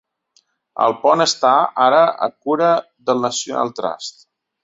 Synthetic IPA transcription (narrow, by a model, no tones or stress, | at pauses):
ə̰lˠpɔnəst̪aaɾəə̰kuɾə | ðəlˠnəsjuna̰lˠt̪ɾa̰st̪